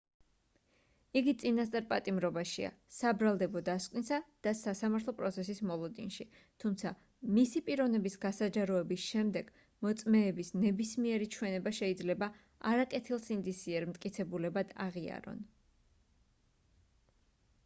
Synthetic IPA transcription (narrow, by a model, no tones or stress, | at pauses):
iɡit̪sʼinast̪ʼaɾpʼat̪ʼimɾɔbaʃḭa̰ | sabɾalˠd̪ɛbɔd̪askʼwninsad̪̥asasamaɾt̪ʰlɔpʼɾɔt̪sʰɛsismɔlˠɔd̪ḭnʃi | t̪ʰumt̪sʰa | misipʼiɾɔvnɛbisɡasad͡ʒaɾɔɛbisʃɛmd̪ɛɡ̥ | mɔt̪sʼmɛːbisnɛbismiɛɾit͡ʃʰwɛnɛbaʃɛid̪zlɛba | aɾakʼɛt̪ʰilˠsind̪isiɛɾmt̪ʼkʼit̪sʰɛbulɛbad̪̥a̰ʁia̰ɾɔ̰n